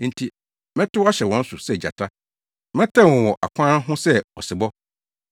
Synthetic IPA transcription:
n̩˦tʰi˦ | mɛ̃˦tʰʊ˦a˦ɕɛ˨wɔ̃˨n̩˦sʊ˨sɛ˦˨d͡ʑa̰˨tʰa˦ | mɛ̃˦tʰã˦˨wɔ̃˨wɔ˨ʔa̰˨kʷʰãː˦nɦʊ̃˦sɛ˦ɔ˨sɪ˨bɔ˦

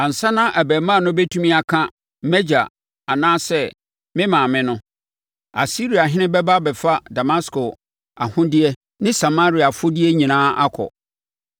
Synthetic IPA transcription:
a˨n̩˨sa˦nã˦ʔæ˨bæ˨mã˦˨nʊ̃˦bɛ˦tʰu˦mĩ˦a˨kʰã˦ | m̩˦mɛ˦d͡ʑa̰˨ | a˨nãː˦sɛ˦ | mɪ̃˦mã˨mɪ̃˦nʊ̃˦ | a̰˨si˦ɾi˨a˨ɦɪ̃˦nɪ̃˦bɛ˦ba˦bɛ˨fa˦da˨ma˦skʰo˨ | a̰˨hʊ̃˦dɪ˦ɛ˦ | nɪ̃˦sa˨ma˦ɾi˨a˨fʊ˦di˦ɛ˦ɲĩ˨nãː˦ʔa˦kʰɔ̰˨

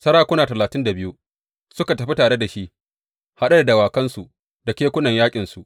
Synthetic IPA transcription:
sɐ˦ɽaː˦kʷʊ˦naː˨tɐ˨laː˨tɪ˦nda˨bɪ˦ju˦ | sʊ˦ka˨tɐ˨ɸi˦taː˨ɽe˦da˨ʃi˦ʔ | ha˦ɗa˦da˨dɐ˨waː˨kɐ˦nsu˨ | da˨kʲeː˦kʷʊ˦nɐ˨ɲjaː˦kʲʼɪ˨nsu˨ʔ

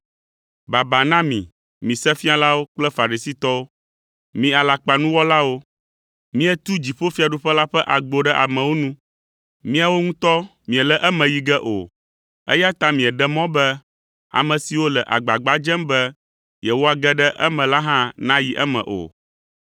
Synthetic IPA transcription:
ba˨ba˨nã˦mḭ̃˨ | mĩ˨sɛ˦fĩ˦a˨la˦wo˦k͡plɛ˦fa˨ɾi˨si˦t̪ɔ˦wo˦ | mĩ˨a˨la˨k͡pa˨nũ˦wɔ˦la˦wo˦ | mĩ˦ɛ˨t̪u˦d͡ʑi˨ɸo˦fi˦a˨ɖu˦ɸɛ˦la˦ɸɛ˦ʔa˨ɡ͡bo˨ɖɛ˦ʔa˨mɛ̃˨wo˦nũ˦ | mĩ˦a˨wo˦ŋũ˦t̪ɔ˦mĩ˨ɛ˨lɛ˦ʔɛ˦mɛ̃˨ji˨ɡɛ˦ʔo̰˨ | ɛ̰˦ja˦t̪a˦mĩ˨ɛ˨ɖɛ˦mɔ̃˦bɛ˦ | a̰˨mɛ̃˨si˨wo˦lɛ˨ʔa̰˨ɡ͡ba˨ɡ͡ba˦d͡ʒɛ˦mbɛ˦ | jɛ˨wo˦a˨ɡɛ˦ɖɛ˦ʔɛ˦mɛ̃˨la˦ɦã˦nã˦ji˦ʔɛ˦mɛ̰̃˨ʔo̰˨

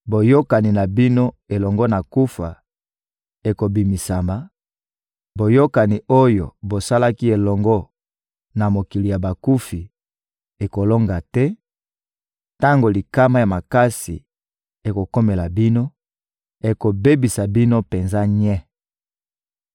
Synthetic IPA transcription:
bo˨jo˦ka˨ni˨na˨bi˦no˦ | e˨lɔ˨ŋɡɔ˦na˨ku˦fa˨ | e˨ko˨bi˨mi˨sa˨ma˨ | bo˨jo˦ka˨ni˨o˦jo̰˨bo˨sa˦la˦ki˦e˨lɔ˨ŋɡɔ˦ | na˨mo˨ki˨li˨ja˨ba˨ku˦fi˨ | e˨ko˨lo˦ŋɡa˨tɛ˦ | ta˦ŋɡo˨li˨ka˦ma˦ja˨ma˨ka˦sḭ˨ | e˨ko˨ko˦me˨la˨bi˦no˦ | e˨ko˨be˦bi˨sa˨bi˦no˦pe˨nza˦ɲɛ˦

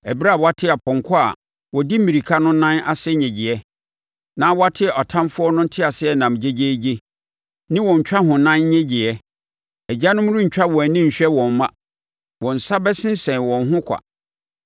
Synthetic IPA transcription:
ɛ˨bi˦ɾa˦˨wɔ˨a˦tʰɪ˦a˨pʰɔ̃˨ŋ˨kʰʊ˦a̰˨ | wɔ˨di˦m̩˦mĩ˨ɾi˨kʰa˦nʊ̃˦nã˦na̰˦sɛ˦˨ɲɛ̃˨d͡ʑɪ˨ɛ˦ | nã˦wɔ˦a˦tʰɪ˦˨ʔɔ˨tʰã˦mfʊ˦ɔ˦nʊ̃˦n̩˦tʰɪ˦a˨sɪ˦ɛ˦nã˨m˨d͡ʑe˦d͡ʑe˦d͡ʑe˦ | nɪ̃˦wɔ̃˨ɲ˨t͡ɕᶣa˦ɦʊ̃˨nã˦n˦ɲɛ̃˦d͡ʑɪ˨ɛ˦ | ɛ˨d͡ʑa˦nʊ̃˦m˦ɾũ˦ɲ̩˨t͡ɕᶣa˦wɔ̃˨æ˨nĩ˦ɲ̩˨ɕᶣɛ˦wɔ̃˨m̩˦mã˦ | wɔ̃˨n̩˨sa˦bɛ˦sɪ̃˦n˦sɛ̃˨n˨wɔ̃˨n˦ɦʊ̃˦kʷʰa̰˨

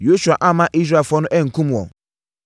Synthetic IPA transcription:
jo˦su˨a˨ʔa˦˨mã˦ʔi˦s̬ɾa˦˨fɔ˦nʊ̃˦ʔɛ˦ŋ̩˨kʰũ˦m˨ɔ̰̃˨

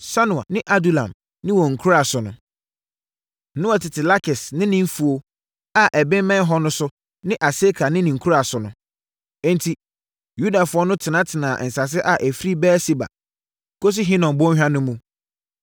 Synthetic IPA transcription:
sa˦nʊ̃˨a̰˨nɪ̃˦ʔa˦du˦lã̰˨m | nɪ̃˦wɔ˨ŋ̩˨kʰu˦ɾa˨sʊ˨nʊ̃˨ | nʊ̃˦ɔ˨tɪ˨tʰɪ˨la˦kʰɪ˨snɪ̃˦nɪ̃˦ɱ̩˦fu˨o˨ | a˨ʔɛ˨bɪ̃˦m˦mɛ̃˦n˦ɦɔ˦nʊ̃˦sʊ˦ | nɪ̃˦ʔa˨se˦kʰa˨nɪ̃˦nɪ̃˨ŋ̩˨kʰu˦ɾa˨sʊ˨nʊ̃˨ | ɛ̃˦ntʰi˨ | ju˦da˨fʊ˦ɔ˦nʊ̃˦tʰɪ˨nã˨˦tʰɪ˨nãː˨n̩˨sa˨s̬ɪ˦ʔa˨ʔæ˨fi˦ɾi˦bɛː˦si˦ba̰˨ | kʰo˦s̬i˦ɦĩ˦nɔ̃˨nbɔ˦ɦᶣa˦nʊ̃˦mũ˦

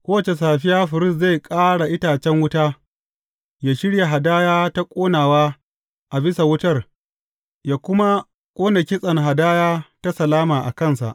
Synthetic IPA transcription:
kʷoː˦wɐ˨t͡ʃe˨s̬aː˨ɸɪ˦jaː˦ɸɪ˨ɾɪ˦˨s̬za˦˨kʼaː˦ɽa˨ʔɪ˦taː˨t͡ʃɛ˦ŋwʊ˦taː˦ | jaː˦ʃɪ˦ɽja˨ɦa˨daː˦jaː˦ta˦kʷʼoː˦naː˨waː˦ | ʔa˨bɪ˦sa˨wʊ˦tɐ˦r | jaː˦kʷʊ˦ma˦ | kʷʼoː˦na˨kʲɪ˦sʼɐ˨ŋɦa˨daː˦jaː˦ta˦sɐ˨laː˦maː˨ʔa̰˨kɐ˦˨nsa̰˨ʔ

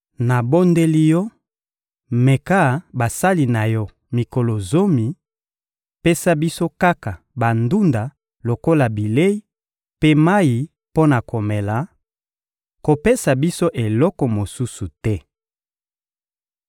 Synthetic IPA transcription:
na˨bo˦nde˦li˦jɔ˦ | me˨ka˦˨ba˨sa˦li˨na˨jɔ˦ | mi˨ko˨lo˨zo˦mi˨ | pe˦sa˦bi˦so˦ka˦ka˨ | ba˨ndu˦nda˨ | lo˨ko˦la˨bi˨le˦i˦ | pe˦ma˦ji˨ | po˦na˨ko˨me˨la˨ | ko˨pe˦sa˨bi˦so˦ʔe˨lɔ˦kɔ˨mo˨su˦su˨tɛ˦

